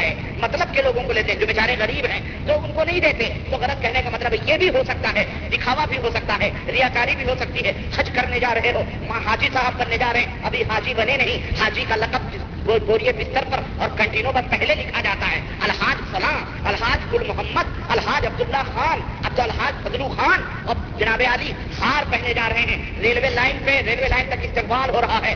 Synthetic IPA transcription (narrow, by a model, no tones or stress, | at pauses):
ɛː | mɐt̪ləb̚keloːɡõkoleːt̪ẽd͡ʒoːbeːt͡ʃaːɾẽɣɐɾiːbɦɛ̃ː | d͡ʒ̪oːʊnkonɐɦĩd̪eːt̪e | t̪oɣɐlət̪̚kɛɦnekamɐt̪ləbjebʱiɦosɐk̚t̪aɦɛː | d̪ɪkʰaːʋabʱiɦosɐk̚t̪aɦɛɾijaːkaːɾibʱiɦosɐk̚t̪iɦɛːhɐd͡ʒkɐɾned͡ʒaːɾɐɦeɦoː | mãɦaːd͡ʒisaːbbɐnːed͡ʒaːɾɐɦẽɐbʱiɦaːd͡ʒibɐnenɐɦĩhaːd͡ʒikalɐqəb̚ | oboːɾijebɪst̪əɾpɐɾ | ɔːɾkɐ̃ɳʈiːnõpɐɾpɛɦlelɪkʰad͡ʒaːt̪aɦɛ̰ː | ɐlɦaːd͡ʒsɐlaː | ɐlɦaːd͡ʒkʊlmʊɦəmːəd̪ | ɐlɦaːd͡ʒɐb̚d̪ʊlːaxaːnɐb̚t̪oɐlɦaːd͡ʒfɐd̪luxaːn | ɔːd͡ʒɐnaːbeaːli | haːɾpɛɦned͡ʒaːɾɐɦeɦɛ̃ː | ɾeːlʋelaːɪnpeɾeːlʋelaːɪnt̪ɐkɪst̪eːɦbaːlɦoɾɐɦaɦɛː